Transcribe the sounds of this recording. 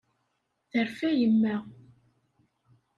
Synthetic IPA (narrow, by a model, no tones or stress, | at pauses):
θəɾfæjəmːæ